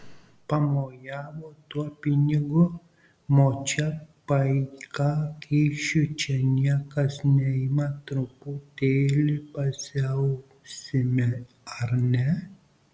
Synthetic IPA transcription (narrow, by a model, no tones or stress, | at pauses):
pɐmoːjɑːʋoːt̪uɔpʲɪnʲɪɡʊ | moːt͡ʃʲɛpɐɪkɑːkʲɛːʃʲʊt͡ʃʲɛnʲiɛkɐsnʲɛɪmɐt̪ɾʊpʊt̪ʲeːlʲɪpɐsʲɛʊ | sʲɪmʲɪ | ɐɾnʲɛ